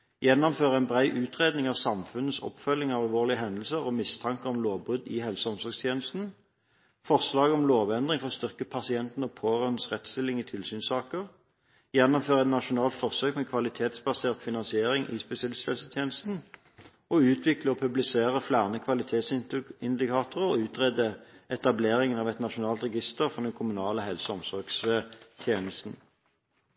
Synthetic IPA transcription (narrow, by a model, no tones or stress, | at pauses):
jɛnːɔmføːʁəæɪnbʁæɪʔʉːt̪ʁeːd̪nɪŋɑːʋsɑmfʉnəsɔ̰pːfœlːɪŋɑʋɑlʋoːʁlɪəɦɛnd̪əl̩səʁɔmɪst̪ʰɑŋkəɔmloːʋbʁʉd̪ɪhɛlsəɔmsɔʁɡst̪ʰjeːnəst̪n̩ | fɔʁslɑːɡɔmloːʋɛnd̪ʁɪŋfɔʁst̪ʏʁkəpʰɑsɪɛnt̪n̩ɔpʰoːʁœnsʁɛt̪ːst̪ɪlːɪŋɪt̪ʰɪlsyːnsɑːkəʁ | jɛnːɔmføːʁəɛt̪nɑʃʊnɑːlt̪fɔʁsøːkmɛkʰʋɑlɪt̪ʰeːt̪sbɑseːʁt̪fɪnɑnsɪeːʁɪŋʔɪ̰spɛsɪɛlɪst̪hɛlsət̪ʰjeːnəst̪n̩ | ɔʉːt̪ʰʋɪkləɔpʰʉblɪseːʁəflæːʁnəkʰʋɑlɪt̪ʰeːt̪sɪnd̪ɪkʰɑːt̪ʊʁəɔʉːt̪ʁɛd̪əɛt̪ɑbleːʁɪŋənɑːʋɛt̪nɑʃʊnɑːlt̪ʁɛɡɪst̪əʁfɔʁd̪ɛnkʰʊmʉnɑːləɦɛlsɔɔmsɔʁɡst̪ʰjeːnəst̪n̩